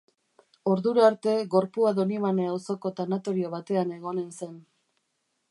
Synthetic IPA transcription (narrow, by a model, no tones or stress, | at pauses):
o̞ɾðuɾaaɾt̪e̞ɣo̞ɾpuaðo̞niβaneawso̞ko̞t̪anat̪o̞ɾio̞β̞at̪e̞ane̞ɣ̞o̞ne̞nse̞n